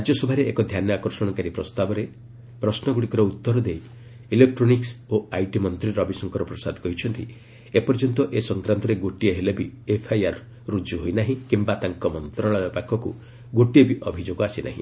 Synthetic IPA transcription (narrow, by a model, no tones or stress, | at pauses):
ɾad͡ʒjɔsɔbʱaɾeekɔd̪ʱjanɔakɔɾsɔɽ̃ɔkaɾipɾɔst̪abɔɾe | pɾɔsnɔɡuɽikɔɾɔut̪ːɔɾɔd̪ej | ilek̚ʈɾoniksoajʈimɔnt̪ɾiɾɔbisɔŋkɔɾɔpɾɔsad̪kɔɦit͡ʃʰɔnt̪ḭ | epɔɾd͡ʒɔnt̪ɔʔesɔŋkɾant̪ɔɾeɡoʈieɦelebiepʰajaɾ | ɾud͡ʒuɦojnaɦĩkimbat̪aŋkɔmɔnt̪ɾɔɭabɔpakʰːɔku | ɡoʈiebiʔɔbʱid͡ʒoɡɔasina̰ɦḭ̃